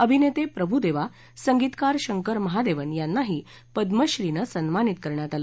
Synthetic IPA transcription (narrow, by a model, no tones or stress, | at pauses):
əbʱinet̪epɾəbʱud̪eʋa | səŋɡit̪kaɾɕəŋkəɾməɦad̪eʋənjanːaɦiː | pəd̪məɕɾinəsənmanit̪kəɾɳjat̪alə